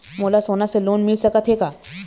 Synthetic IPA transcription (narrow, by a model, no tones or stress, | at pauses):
moːlasoːnaseloːnmɪlsɐkət̪ʰɦeːɡaː